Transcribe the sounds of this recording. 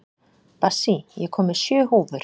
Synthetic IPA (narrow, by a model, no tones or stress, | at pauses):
pasijɛkʰɔːmɪ̥sjœːhuːvʏɾ̥